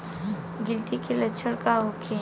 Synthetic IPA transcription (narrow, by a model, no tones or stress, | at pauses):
ɡɪlt̪ikelɐtːt͡ʃʰəɽkaɦokʰe